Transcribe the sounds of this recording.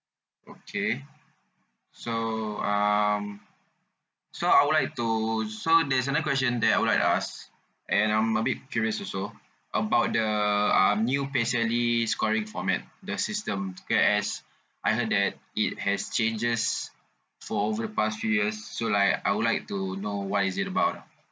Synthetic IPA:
ʔokʰe | soʌ̃m | soajwudlaɪk̚tusodɛs̬ənaəkwɛst͡ʃə̃ndɛt̚ajwudlajktas | ʔɛ̃nãɪ̃məbit̚fjuɹiəsɔso | ʔəbaʊt̚dəʌ̃mnjupɛsəliskɔɹĩŋfɔmɛ̰t̚dəsistə̃mkɛɛs | ʔajɦət̚dɛt̚it̚hɛst͡ʃẽnd͡ʒəs | fɔovədəpastfjujəsːolaɪka̰jwudlajk̚tunowɔtisitəbaʊt

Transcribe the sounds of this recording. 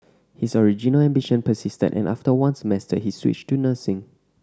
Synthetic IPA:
hisɔɹid͡ʒinəlɛ̃mbiʃə̃npəsistə̰dʔɛ̰̃nʔa̰ftəwãnsəmɛstəhiswḭt͡ʃtːunəsɪ̃ŋ

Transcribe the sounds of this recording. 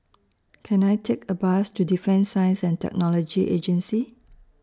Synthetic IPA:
kʰɛ̃najtʰekʰəbastudifɛ̃nsãjə̃nsɛ̃ntɛ̰k̚nɔlɔd͡ʒiʔḛd͡ʒə̃nsi

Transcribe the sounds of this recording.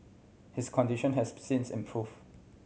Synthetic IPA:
hɪskʰɔ̃ndiʃə̃nɦɛssĩnsɛ̰̃mpʰɹuv

